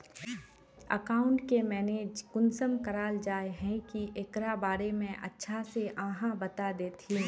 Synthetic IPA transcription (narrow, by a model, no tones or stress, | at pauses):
ə̰kaːʊ̃ɳʈkemɛːneːd͡ʒkʊnsəmkəɾaːld͡ʒaːeɦɛ̃kiʔekɾabaːɾemẽʔɐ̰tːʃʰaseʔãːɦãbɐt̪ad̪eːt̪ʰĩː